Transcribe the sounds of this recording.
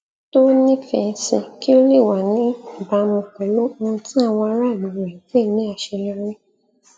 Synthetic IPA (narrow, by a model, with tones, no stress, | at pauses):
to˦nĩ˦fɛ˧˨˧si˧ki˦o˦le˦˨wa˨nĩ˨˦˨ba˨˧mũ˧kɛ˨lo˦mõ˧˦tĩ˦a˦˨w̃ɔ̃˧a˧˦ɾa˦˨li˨ɾɛ̃˨ke˦˨˦nĩ˨˦a˧ʃe˧lɛ˧ɾe˦